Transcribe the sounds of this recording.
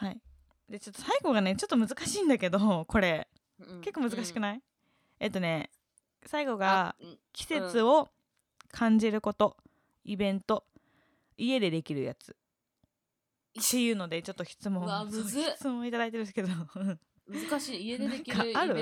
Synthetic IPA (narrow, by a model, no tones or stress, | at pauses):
hai | d̪e̞t͡ɕo̞t̪ːo̞̥saiɡo̞ɡane̞t͡ɕo̞t̪ːo̞mɯ̟zɨkaɕĩːnd̪ake̞d̪o̞ko̞ɾe̞ | ke̞kːomɯ̟zɨkaɕi̥kɯ̟nai | et̪ːo̞ne̞ | saiɡo̞ɡakʲi̥se̞t͡sɨo̞ | kʰãɲ̟d͡ʑiɾɯ̟ko̞t̪o̞ | ibẽ̞nt̪o̞ | ie̞d̪e̞d̪e̞kʲiɾɯ̟ja̰t͡sɨ̥ | e̞jɯ̟ːno̞d̪e̞t͡ɕo̞t̪ːo̞çi̥t͡sɨmõ̞onçt͡sɨmõit̪ad̪ait̪̬eɾɯske̞d̪oɯ̟̃ | kaaɾɯ̟